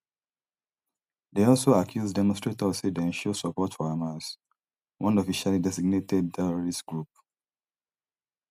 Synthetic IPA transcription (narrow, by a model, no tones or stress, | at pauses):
deɔlsoakʰjuzdɛmɔ̃nstɹetɔsidɛ̃nʃosɔpɔtfɔamas | wʔɔ̃nɔfiʃalidɛsiɡ̚netɛd̚tʰɛɹɔɹistɡɹup̚